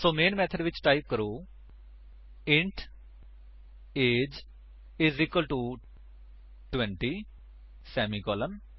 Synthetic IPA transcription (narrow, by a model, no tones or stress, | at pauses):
soːmeːnmɛt̪ʰɐɖʋit͡ʃʈajp̚kɐɾu | eɳʈ | eːd͡ʒ | izikwɐlʈu | ʈʋeɳʈi | sɛːmikɔːlɐm